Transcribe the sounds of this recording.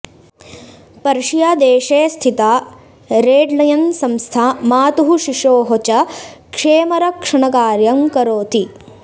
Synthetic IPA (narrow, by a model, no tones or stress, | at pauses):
pɐɾʂijaːd̪eːʃeːst̪ʰit̪aː | ɾeːɖlɐjɐnsɐmst̪ʰamaːt̪uɦuʃiʂoːɦot͡ʃɐkʂeːmɐɾɐkʂɐɳɐkaːɾjɐŋkɐɾoːt̪i